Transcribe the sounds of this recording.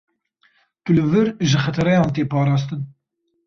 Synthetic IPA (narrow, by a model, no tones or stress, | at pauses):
t̪ulɨvɨɾʒɨxɛt̪ʰɨɾɛjɑːnt̪eːpɑːɾɑːst̪ɨn